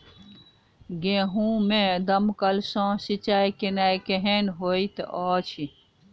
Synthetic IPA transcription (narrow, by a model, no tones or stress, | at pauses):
ɡẽːɦũːmẽd̪ɐmkəlsõːsit͡ʃaːjkinaːjkeɦenɦoːit̪ɔːt͡ʃʰi